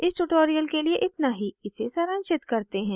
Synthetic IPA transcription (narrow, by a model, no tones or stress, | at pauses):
ɪsʈuʈoːɾijəlkelieʔɪt̪naɦiɪsesɐɾə̃nʃɪt̪kɐɾt̪eɦɛ̃ː